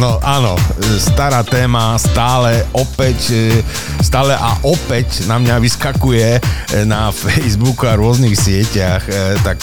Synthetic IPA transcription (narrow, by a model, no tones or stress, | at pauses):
nɔʔaːnɔ̰st̪aɾaːt̪ɛːmast̪aːlɛʔɔpɛc | st̪aːlɛʔaʔɔpɛcnamɲaʋiskakujɛnafɛjzbukuaɾʊɔznixsɪɛcaxt̪ak